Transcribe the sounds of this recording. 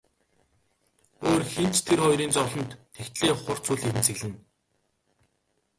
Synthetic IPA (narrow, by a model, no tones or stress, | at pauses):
oːrxen̥t͡ɕt̪ʰerχɔjɾiːnt͡sɔɮɞ̆nt̪ːʰext̪ɮeːχʊr̥t͡suːɮeɾɘ̆nt͡sʰeɣɮɘ̆n